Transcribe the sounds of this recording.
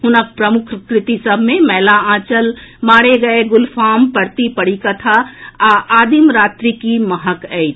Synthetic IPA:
ɦʊnək̚pɾəmʊkʰkɾɪt̪isəbʱmẽmɛːlaãːt͡ʃəlmaːɽeɡɐeɡʊlfʰaːmpəɾt̪ipəɽikɐt̪ʰaʔaːd̪imɾaːt̪ɾikiməɦəkɛɪ

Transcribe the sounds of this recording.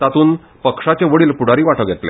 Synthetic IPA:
t̪at̪uːn | pəkʂat͡ɕeʋəɽiːlpuɽ̤aɾiːʋaʈəɡʱet̪lḛ

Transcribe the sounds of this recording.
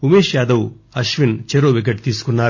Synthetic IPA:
umeːʃjaːd̪ɐw | ɐʃʋint͡ʃeɾoːʋik̬ɐʈ̚t̪iːsu̥kunːaː

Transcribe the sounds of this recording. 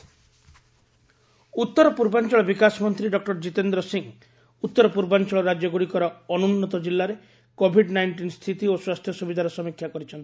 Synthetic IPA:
ut̪ːɔɾɔpuɾbant͡ʃɔɭɔbikasɔmɔnt̪ɾiɖɔk̚ʈɔɾd͡ʒit̪end̪ɾɔsiŋ | ut̪ːɔɾɔpuɾbant͡ʃɔɭɔɾad͡ʒjɔɡuɽikɔɾɔɔnunːɔt̪ɔd͡ʒilːaɾe | kobʱiɖnajɳʈinst̪ʰit̪ioswast̪ʰjɔsubid̪ʱaɾɔsɔmikʰːjakɔɾit͡ʃʰɔnt̪i̥

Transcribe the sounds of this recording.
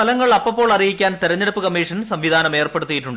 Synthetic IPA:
ɐlɐŋːɐɭɐpːɐpːo̞ːɭɐrijikʲːaːnt̪iɾɐɲːeɽupːɨkɐmːiːʂɐnsɐmʋid̪ʱaːnɐme̞ːrpe̞ɽut̪ːijiʈːuɳɖɨ

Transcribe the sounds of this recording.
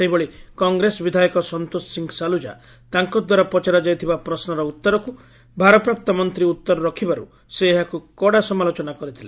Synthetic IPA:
seɦibɔɭikɔŋɡɾesɔbid̪ʱajɔkɔsɔnt̪osiŋɡsalud͡ʒa̰ | t̪aŋkɔd̪waɾapɔt͡ʃaɾɔd͡ʒajt̪ʰibapɾɔsnɔɾɔut̪ːɔɾɔku | bʱaɾɔpɾap̚t̪ɔmɔnt̪ɾiut̪ːɔɾɔɾɔkʰibaɾṵ | seːɦakukɔɽasɔmalot͡ʃɔnakɔɾit̪ʰile

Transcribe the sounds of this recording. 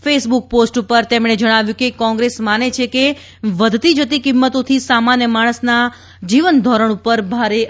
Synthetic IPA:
fesbuk̚posʈupəɾt̪emɽ̃ed͡ʒəɽ̃aʋjũkekɔ̃ŋɡɾesmanet͡ʃʰeke | ʋəd̪ʱt̪id͡ʒət̪ikimːət̪ot̪ʰisamanjəmaɽ̃əsna | d͡ʒiʋənd̪ʱɔɾəɽ̃upəɾbʱaɾe

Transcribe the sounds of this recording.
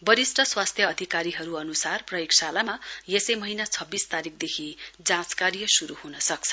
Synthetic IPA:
bʌɾisʈʌswast̪ʰjʌːd̪ʱikaɾiɦʌɾuʌnusarprʌjoksalamajesʌjmʌɦinat͡sʰʌbːist̪aɾik̚ʰd̪ekʰid͡zãt͡skarijʌsuɾuɦunʌsʌk̚t͡sʰʌ̥

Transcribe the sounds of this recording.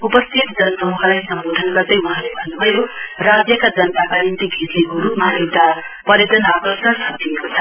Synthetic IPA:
upʌst̪ʰit̪d͡zʌnʌsʌmuɦlajsʌmbod̪ʱʌnɡʌrd̪ʌjuɦãlebʱʌnːubʱʌjorad͡zjʌkad͡zʌnt̪akanint̪iɡʱit̪lekoɾupmaewt̪a | pʌɾjʌt̪ʌnakʌsʌsʰʌd̪iekot͡sʰʌ

